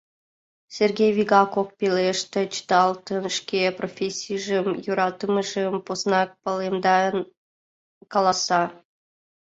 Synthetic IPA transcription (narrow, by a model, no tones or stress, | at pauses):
sʲerɡʲejvʲiɡɑkok̚peleʃt̪ĕt͡ɕə̥t̪ɑlt̪ənʃkeprofʲesʲijʒəmjoɾɑt̪əməʒəmposnɑk̚pɑlemd̪ɑn | kɑlˠɑsɑ